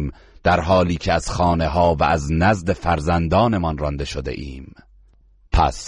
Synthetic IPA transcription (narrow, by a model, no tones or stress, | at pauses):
m | d̪̥æɾɦɒːliːcʰeæz̥xɒːne̞ɦɒːvæ̰ʔæznæzd̪e̞fæɾzænd̪ɒːne̞mɒnrɒnd̪e̞ʃod̪e̞̰ʔiːm | pʰæ̰s